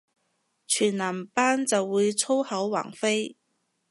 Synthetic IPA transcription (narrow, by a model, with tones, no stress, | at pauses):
t͡ʃʰyː˨˩nlaː˨˩mpaː˥nt͡sɐ˨wːuː˨˧jt͡sʰo˥whɐ˨˥wwa̰ː˨˩ŋfe˥j